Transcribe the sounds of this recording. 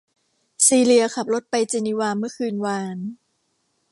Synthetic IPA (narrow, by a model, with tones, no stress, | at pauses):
siː˧li˧ɐkʰa˨˩p̚lo˦˥t̪̚pa˧jt͡ɕe˧niː˦waː˧mɯ˥˩ɐkʰɯː˧nwaː˧n